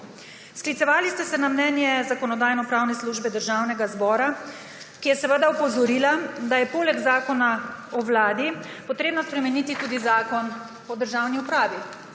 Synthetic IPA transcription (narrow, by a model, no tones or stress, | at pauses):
sklit̪sɛʋaːlist̪ɛsɛnamnɛnjɛzakɔnɔd̪aːjnɔpɾawnɛsluʒbɛd̪əɾʒawnɛɡazbɔːɾa | kijɛsɛʋəd̪aupɔzɔɾiːlad̪ajɛpoːlɛɡzaːkɔnaɔwlaːd̪i | pɔt̪ɾeːbnɔspɾɛmɛniːt̪it̪uːd̪izaːkɔn | ɔd̪əɾʒawniupɾaːʋi